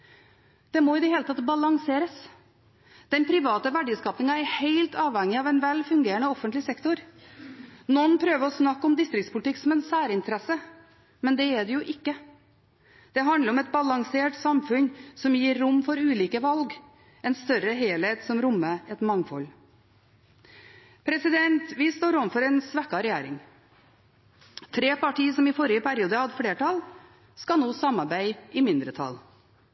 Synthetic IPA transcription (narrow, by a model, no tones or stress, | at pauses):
d̪̥ɛmɔɪd̪ɛɦeːlət̪ʰɑt̪bɑlɑŋseːɾəs | d̪̥ɛnpʰɾɪʋɑːt̪əʋæɖiːskɑːpnɪŋɑɛɾheɪlt̪ɑːʋhɛŋɪɑʋɛnʋɛlfʉŋɡeːɾəɳəɔfənt̪lɪsɛkt̪ʊɾ | nɔnːpʰɾøːʋəɾɔsnɑkːɔmd̪ɪst̪ɾɪkt̪spʊlt̪ɪkːsɔmɛnsæːɾɪnt̪əɾɛsə | mɛnd̪ɛɛɖ̪ɛjʊʔɪkːə | d̪̥ɛɦɑnd̪ləɾɔmɛt̪̚bɑlɑŋseːʈsɑmfʉnsɔmjiːɾːʊmːfɔɾʉːliːkəʋɑlɡ | ɛnst̪œɾəɦeːlheːt̪sɔmɾʊmːəɛt̪mɑŋfɔl | pʰɾɛsɪd̪ɛnt̪ʋɪst̪oːɾɔmfɔɾɛnsʋækːɑɾɛjæːɾɪŋ | t̪ʰɾeːpɑʈiːsɔmɪfɔɾɪjəpʰæɾɪuːd̪əhɑd̪əfleːʈʰɑl | skɑnoːsɑmɑɾbæɪɪmɪnd̪ɾət̪ʰɑ̰l